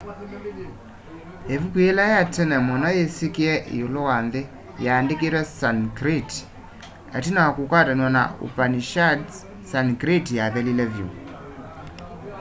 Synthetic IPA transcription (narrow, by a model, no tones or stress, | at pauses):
evukuelajatɛnɛmɔnajesikeɛʔḛjolowanðe | jaːndekeɾwɛsankɾit | a̰tinaakukwatanwana̰ʔo̰paniʃads | sankɾitjaðɛlilɛvjo̰